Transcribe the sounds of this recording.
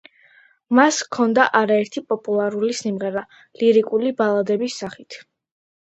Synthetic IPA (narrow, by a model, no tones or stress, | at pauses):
maskʰɔnd̪aʔaɾaɛɾt̪ʰipʼɔpʼulˠaɾulisimʁɛɾa | liɾikʼulibalˠad̪ɛbisːaχit̪ʰ